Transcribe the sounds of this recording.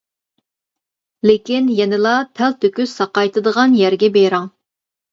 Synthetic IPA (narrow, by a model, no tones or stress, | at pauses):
lekʲinjɛnɪlˠɑpʰælt̪ʰøkʲysɑqɑjt̪ʰɨd̪əʁɑnjæɾɡʲɛbeɾɑŋ